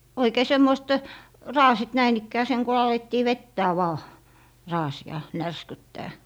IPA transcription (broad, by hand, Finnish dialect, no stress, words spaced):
oikeː semːoist rɑːsit næin ikːæː seŋ ku ɑletːiː ʋetːæː ʋɑː rɑːsiɑ nærskytːæː